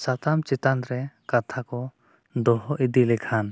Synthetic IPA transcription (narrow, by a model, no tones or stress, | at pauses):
sat̪amt͡ʃɛt̪anɾɛkat̪ʰakɔ | d̪ɔɦɔʔid̪ilɛkʰan